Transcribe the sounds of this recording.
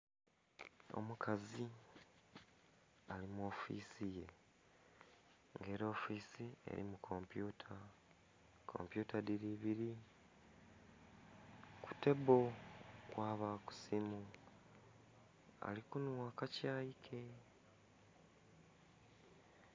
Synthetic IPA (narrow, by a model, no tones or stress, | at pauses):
o̞̰mukʰazi | alimuo̞ːfiːsije̞ | ŋɡe̞ːɾo̞ːfisie̞̰ɾḭmukʰo̞mpjutʰa | kʰo̞̰mpjutadiɾiβiɾi | ku̥te̞bo̞kwaːβaku̥simu | a̰likunuakacaːjikʰe̞